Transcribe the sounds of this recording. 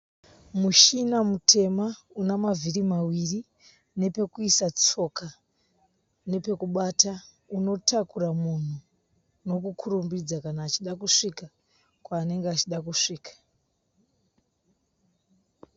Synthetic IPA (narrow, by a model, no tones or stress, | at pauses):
muʃinamutʰe̞ma | unamavʱiɾimawiri | ne̞pe̞kuisat͡so̞ka | ne̞pe̞kuɓata | uno̞takuramun̤u | no̞kukʰuɾumbid͡zakanaːt͡ʃiɗakuʂika | kwaːne̞ŋɡeat͡ʃiɗakuʂiːkḁ